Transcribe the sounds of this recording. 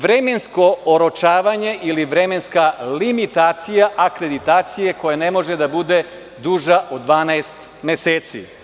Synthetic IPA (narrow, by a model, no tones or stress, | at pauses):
ʋɾeme̞nsko̞oɾot͡ʃaːʋaɲe̞ʔiliʋɾeme̞nskalimit̪aːt̪sijaʔakɾe̞d̪it̪aːt̪sije̞ko̞janemo̞ʒed̪abud̪e̞ | d̪uːʒaʔo̞d̪ʋaːnaest̪ | meseːt̪sḭ